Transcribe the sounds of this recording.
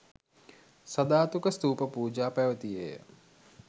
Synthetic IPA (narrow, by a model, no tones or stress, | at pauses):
sɐd̪aːt̪ukɐst̪uːpɐpuːd͡ʒaːpɐʋɐt̪ijḛː